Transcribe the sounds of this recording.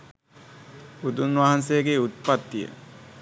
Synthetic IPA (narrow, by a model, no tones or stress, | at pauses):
ud̪unʋaɦansejəɡeut̪̚pat̪ːijə̰